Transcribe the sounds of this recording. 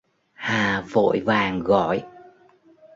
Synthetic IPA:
haː˨˩vo̰˧˨jvaː˨˩ŋɣɔ̰˧˨j

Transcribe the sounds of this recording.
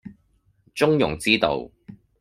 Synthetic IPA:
t͡ʃʊ˥ŋjʊ˨˩ŋt͡siː˥t̪o̰˨˧w

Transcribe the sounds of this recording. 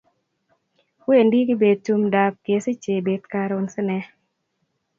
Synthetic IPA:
we˦˨ndi˦kɪ˦be˨d̪̚tu˦mda˨p̚kɪ˨e˨se˦t͡ʃe˨be˨t̪ka˧ɾʊ˨nsɪ˦nɛ˦

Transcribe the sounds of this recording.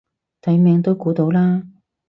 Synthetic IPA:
t̪ɐ˨˥jmɛː˧ŋt̪o˥wkuː˨˥t̪o˨˥wlaː˥

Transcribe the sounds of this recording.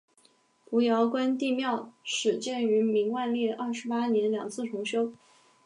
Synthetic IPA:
pu˧˥jɑ˧˥ʊkwa˥nt̪i˥˧mjɑ˥˩ʊʂɻ̩˨˩t͡ɕjɛ˥˩ny˧˥mi˧˥ŋwa˥˧nljɛ˥˧ɐ˥˩ʂɻ̩˧˥pa˥njɛ˧˥nljɑ˨˩ŋt͡sʰɹ̩˥˩ʈ͡ʂʰʊ˧˥ŋɕjo˥ʊ

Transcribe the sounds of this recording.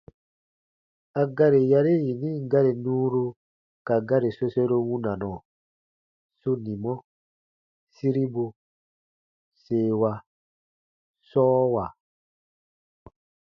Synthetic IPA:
a˨ɡa˦ɾi˨ja˦ɾi˦ji˨nĩ˦ɡa˦ɾi˨nũː˦ɾu˧ | ka˨ɡa˦ɾi˨so˦se˦ɾo˦wũ˦na˨nɔ̃˨ | su˦nĩ˨mɔ˦ | si˦ɾi˦bu˧ | seː˨wa˨ | sɔː˦wa˨

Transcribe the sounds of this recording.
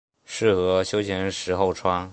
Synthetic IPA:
ʂɻ̩˥˩xɤ˧˥ɕjo˥ʊt͡ɕʰjɛ˧˥nʂɻ̩˧˥xo˥˩ʊʈ͡ʂʰwa˥ŋ

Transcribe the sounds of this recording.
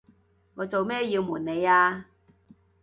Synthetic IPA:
ŋɔː˨˧t͡so˨wmɛː˥jiː˧wmuː˨˩nːe˨˧jaː˧

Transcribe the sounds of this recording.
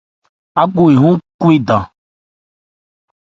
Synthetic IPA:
a˦ɡo˦˨je˨ɦõ˦ku˦e˦d̪ã˨

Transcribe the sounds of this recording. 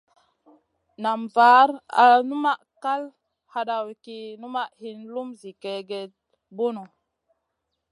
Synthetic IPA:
na˨mvaː˨˦ɾa̰˨nu˦ma˦ʔka˦l | ha˧ɗa˨wi˨ki˦nu˦ma˦ʔhi˦nlu˦mzi˨ke˨ɡe˨t̚ | bo˦no˨

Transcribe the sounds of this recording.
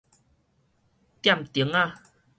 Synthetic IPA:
t̪ja˥˨mt̪i˨˩˦ŋa˧

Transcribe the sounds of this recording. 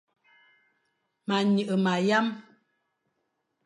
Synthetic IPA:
ma˨ɲɨ˨ʔə˨ma˨ja˦m

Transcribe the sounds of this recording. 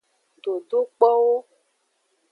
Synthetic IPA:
ɖo˨ɖo˦k͡pɔ˦wo˦

